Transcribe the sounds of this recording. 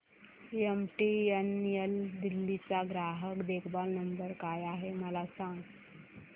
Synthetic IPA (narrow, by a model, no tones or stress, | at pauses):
emʈienjəld̪ilːit͡saɡɾaɦəkd̪ekʰbalnəmb̪əɾkajaɦeməlasãŋɡ